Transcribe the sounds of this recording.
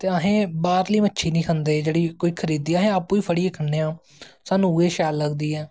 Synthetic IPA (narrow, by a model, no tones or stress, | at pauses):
t̪eːəɦẽːbaːɾliːmətːʃʰiːnĩːkʰənd̪eːd͡ʒeːɽiːkoːiːkʰəɾiːd̪iːəɦẽːaːpːũːiːpʰəɽiːəkʰəɳːeːãː | saːnũːeːʃaːlːəɡd̪iːɛː